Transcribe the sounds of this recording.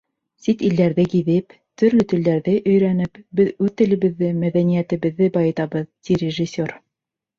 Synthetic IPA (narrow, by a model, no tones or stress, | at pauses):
sit̪ild̪æɾðɘkiðɘp | t̪ɵ̆ɾlɵt̪ɘ̆ld̪æɾðɘʔɵ̆jɾænɘpbɘðʉðt̪ɘ̆lɘ̆βɘ̆ðːɘmæðænijæt̪ɘ̆βɘ̆ðːɘbɑjɤ̆t̪ɑβɤðt̪ʲiɾʲɪʒisʲːor